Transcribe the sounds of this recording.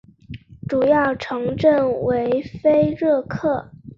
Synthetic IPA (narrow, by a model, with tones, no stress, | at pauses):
ʈ͡ʂu˨˩jɑ˥˩ʊʈ͡ʂʰɤ˧˥ŋʈ͡ʂə˥˩nwe˧˥ɪfe˥ɪɻɤ˥˧kʰɤ˥˩